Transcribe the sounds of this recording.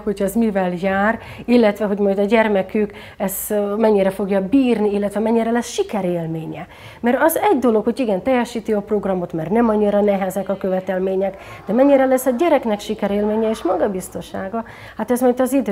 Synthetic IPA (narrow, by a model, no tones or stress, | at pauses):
ho̞cʰɛzmivɛljaːr | ilːɛt̪ʋɛɦo̞ɟmɒjd̪ɒɟɛrmɛkyk | ɛz̥mɛɲːiɾɛfo̞ɡjɒbiːrniilːɛt̪ʋɛmɛɲːiɾɛlɛsʃikɛɾeːlmeːɲɛ | mɛɾɒzɛɟd̪o̞lo̞kho̞ɟiɡɛnt̪ɛjɛʃiːt̪iɒpro̞ɡrɒmo̞t̪mɛrnɛmɒɲːiɾɒnɛɦɛzɛkɒkø̞vɛt̪ɛlmeːɲɛk | d̪ɛmɛɲːiɾɛlɛsːɒɟɛɾɛknɛkʃikɛɾeːlmeːɲɛeːʃmɒɡɒbist̪o̞ʃaːɡɒ | hat̪ɛzmɒjt̪ɒzid̪ø